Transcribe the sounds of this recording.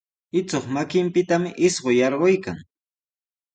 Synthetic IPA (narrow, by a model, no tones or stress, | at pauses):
ɪt͡soχmakɪmpɪt̪amɪʔɪsɢojɑɾɢojkaŋ